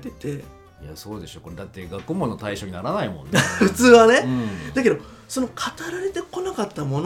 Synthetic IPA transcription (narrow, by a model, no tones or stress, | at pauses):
t̪et̪e̞ | ijasoːd̪e̞ɕoːkoɾed̪at̪ːe̞ɡakɯ̟mo̞nːo̞t̪aiɕo̞ɲ̟inaɾanaimõ̞̰nːeɸɯ̟t͡sɨːβanẽ̞d̪̥ake̞d̪o̞ | so̞no̞kʰat̪aɾaɾe̞t̪e̞ko̞nakat̪ːamo̞n